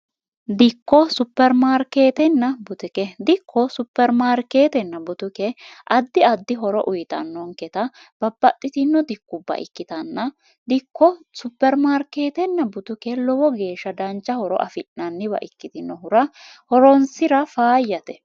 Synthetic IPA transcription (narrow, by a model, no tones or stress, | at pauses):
d̪ɪkːɔsʊpːɛɾmaːɾkeːt̪ɛnːɐbʊt̪ɛkɛd̪ɪkʰːɔsʊpːɛɾmaːɾkeːt̪ɛnːɐbʊt̪ʊkɛʔɐd̪ːɪɐd̪ːɪɦɔɾɔʔʊjt̪ɐ̰nːɔŋkɛt̪ɐ | b̥ɐbːɐt̪ʼːɪt̪ɪnːɔd̪ɪkːʊbːɐ̰ʔɪ̰kːɪt̪ɐnːɐ | d̪ɪkːɔsʊpːɛɾmaːɾkeːt̪ɛnːɐbʊt̪ʊkɛlɔwɔɡe̞ːʃːɐd̪ɐnt͡ʃːɐhɔɾɔ̰ʔɐ̰fɪʔnɐnːɪβɐ̰ʔɪkːɪt̪ɪnːɔɦʊɾɐhɔɾɔnsɪɾɐfaːjːɐt̪ɛ